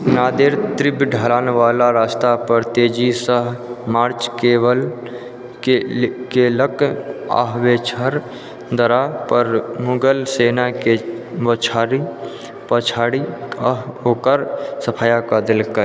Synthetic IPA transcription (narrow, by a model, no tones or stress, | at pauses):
naːd̪eɾt̪ɾɪbɖʱəɾaːnʋaːlaɾaːst̪apəɾt̪eːd͡ʒisəɦmaːɾt͡ʃkeːwəl | kekeləka̰ɦʋet͡ʃʰəɾ | d̪əɾapəɾmʊɡəlseːnakebət͡ʃʰaːɾi | pət͡ʃʰaːɽiəɦoːkəɾsəpʰaːjakəd̪ɪlkə